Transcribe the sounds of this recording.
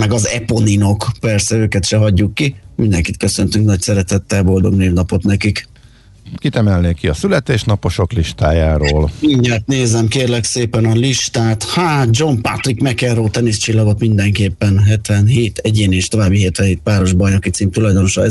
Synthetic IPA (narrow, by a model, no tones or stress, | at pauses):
mɛɡɒzɛpo̞nino̞kpɛrsɛøːkɛt̪ʃɛɦɒɟːukːimind̪ɛŋkit̪̚kø̞sø̞nt̪yŋknɒcsɛɾɛt̪ɛt̪ːɛlbo̞ld̪o̞ɡneːvnɒpo̞t̪nɛkik | kit̪ɛmɛlneːkːiɒsylɛt̪eːʃnɒpo̞ʃo̞kliʃt̪aːjaːɾoːlmiɲːaːt̪neːzɛmkeːrlɛkseːpɛnɒliʃt̪aːt̪haːt̪̚d͡ʒo̞mpa̰t̪rikmɛkɛroːlt̪ɛnist͡ʃilːɒɡo̞t̪mind̪ɛŋkeːpːɛnɦɛt̪ʋɛnɦeːt̪ɛɟeːneːʃt̪o̞vaːbːiɦeːt̪ɛɦeːt̪paːɾo̞ʒbɒjnokit̪siːmt̪ulɒjd̪o̞noʃɒɛ